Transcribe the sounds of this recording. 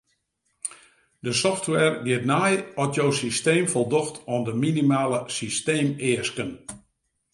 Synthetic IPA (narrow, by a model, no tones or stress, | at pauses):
dəsɔftʋɛrɡɪətnajɔtjowsisteːmfɔlˠdɔxtʰɔndəminimaːləsisteːmɪəskən